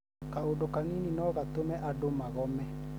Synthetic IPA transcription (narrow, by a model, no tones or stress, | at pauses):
kaodokanininɔɣatomɛʔadomaɣɔmɛ